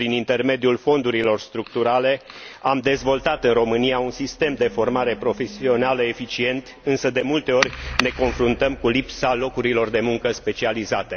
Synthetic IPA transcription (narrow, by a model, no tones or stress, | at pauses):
pɾinint̪e̞rme̞d̪iulfo̞nd̪uɾilo̞rst̪ɾukt̪uɾale̞amd̪e̞zvo̞lt̪at̪ɨnro̞mɨnijaunsist̪e̞md̪e̞fo̞rmaɾe̞pɾo̞fe̞sio̞naləe̞fit͡ʃie̞nt̪ | ɨnsəd̪e̞mult̪e̞o̞rʲne̞ko̞nfɾunt̪əmkulipsalo̞kuɾilo̞rd̪e̞muŋkəspe̞t͡ʃializat̪e̞